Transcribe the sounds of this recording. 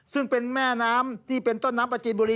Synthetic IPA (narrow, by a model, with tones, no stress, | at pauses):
sɯ˥˩ŋpe˧nmɛː˥˩naː˦˥mt̪ʰiː˥˩pe˧nt̪o˥˩nːaː˦˥mpa˧˩t͡ɕiː˨˩n̚buː˧liː˧